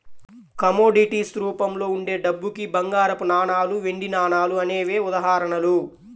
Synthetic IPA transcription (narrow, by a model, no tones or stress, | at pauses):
kɐmoːɖiʈiːsɾuːpɐmlo̞ːuɳɖe̞ːɖɐbːukibɐŋɡaːɾɐpunaːɳaːluʋe̞ɳɖinaːɳaːluɐne̞ːʋe̞ːud̪ɐɦaːɾɐɳɐlu